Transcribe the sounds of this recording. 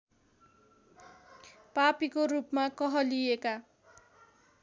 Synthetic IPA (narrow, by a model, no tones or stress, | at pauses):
papikorupmakʌɦʌlijeka